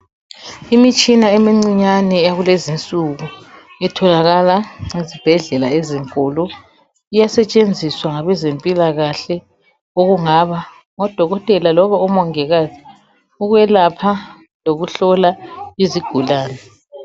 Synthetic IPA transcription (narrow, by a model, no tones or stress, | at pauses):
imit͡ʃʼinaemiŋ͡ǀiɲanɛaɣulezint͡sʼuɣu | ɛtʰɔlaɣalaŋezib̥ʱɛɮɛlaeziŋkʼɔlɔ | ijasɛt͡ʃʼend͡zʱiswaŋaβɛzempʼilaɣaɬɛ | oɣuŋaβa | ŋɔd̥ʱɔɣɔtʼɛlalɔβaɔmɔŋɛɣazi | uɣwɛlapʰa | loɣuɬɔlaiziɡ̥ʱulaːnɛ